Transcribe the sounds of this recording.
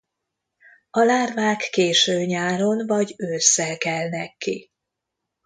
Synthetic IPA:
ɒlaːrvaːkːeːʃøːɲaːɾo̞nvɒɟøːsːɛlkɛlnɛkːi

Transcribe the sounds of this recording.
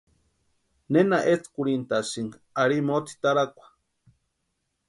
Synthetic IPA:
nenaʔet͡skuɽint̪asiŋɡaɾimot̪ʰi̥t̪aɾakʷḁ

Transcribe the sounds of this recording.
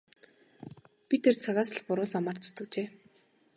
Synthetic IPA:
pʲit̪ʰert͡sʰaɣaːsə̆ɮpʊɾʊːt͡samaːrt͡sʰʊ̥t̪ɵ̆kt͡ɕeː

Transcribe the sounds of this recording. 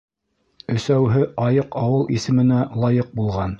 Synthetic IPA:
ɵ̆sæwɦɘʔɑjɤqɑwɤlˠisɘ̆mɘ̆nælˠɑjɤq̚bulˠʁɑn

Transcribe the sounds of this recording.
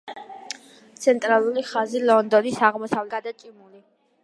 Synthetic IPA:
t̪sʰɛnt̪ʼɾalˠuliχazilˠɔnd̪ɔnisaʁmɔsavlɛad̪at͡ʃ̪ʼimuli

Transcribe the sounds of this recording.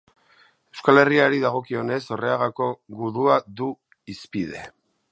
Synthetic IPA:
e̞wskale̞riaɾiðaɣ̞o̞kio̞ne̞so̞re̞aɣako̞ɣuðuaðu | ispiðe̞

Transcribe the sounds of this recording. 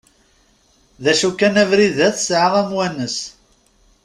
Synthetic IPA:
ðæʃukːænævɾiðæθsʕaʁæmwænəs

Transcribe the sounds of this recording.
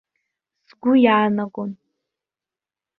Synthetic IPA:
zɡʷʊjaːnakʼon

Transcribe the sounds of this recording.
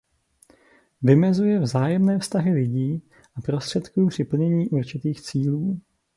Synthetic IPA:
vɪmɛzujɛvzaːjɛmnɛːfst̪aɦɪlɪɟiː | ʔapɾo̞st̪r̝̥ɛt̪kuːpr̝̥ɪpl̩ɲɛɲiːʔuɾt͡ʃɪt̪iːxt͡siːluː

